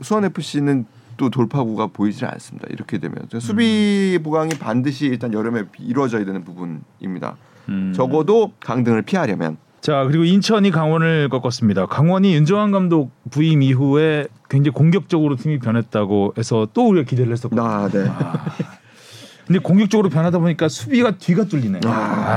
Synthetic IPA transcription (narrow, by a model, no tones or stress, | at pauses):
sʰuʌne̞pʰɯɕ͈inɯn | t͈otoɭpʰaɡuɡapoid͡ʑia̰ns͈ɯmɲida̰ḭɾʌkʰedwe̞̰mjʌ̰nt͡ɕɯssʰubiboɡaŋipandɯɕ̬ʰiːɭt͈anjʌɾɯmeiɾwʌd͡ʑʌjadwenɯnpubunḭmɲida̰ | t͡ɕʌɡʌdokaŋdɯŋɯɭpʰiɦaɾjʌmjʌ̰n | t͡ɕakɯɾiɡoint͡ɕʰʌɲikaŋwʌnɯɭk͈ʌk͈ʌs͈ɯmɲidakaŋwʌɲijund͡ʑʌŋɦanɡamdok̚puimiɦue̞kweŋd͡ʑeikoŋɡjʌk̚t͡ɕ͈ʌɡɯɾotʰimipjʌnɦe̞t̚t͈aɡoe̞sʰʌt͈ouɾiɡakide̞ɾɯɭhes͈ʌt̚kae | kɯnde̞koŋɡjʌk̚t͡ɕ͈ʌɡɯɾopjʌnɦadaboɲik͈asʰubiɡatɥiɡat͈uʎːinea